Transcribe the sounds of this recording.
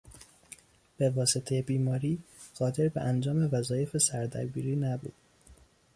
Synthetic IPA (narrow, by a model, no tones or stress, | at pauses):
b̥e̞vɒːse̞t̪ʰe̞jebiːmɒːɾiːɢ̥ɒːd̪e̞ɾbḛʔænd͡ʒɒːme̞væzɒːje̞fesæɾd̪æ̰ɾbiːɾiːnæbṵːd̪̥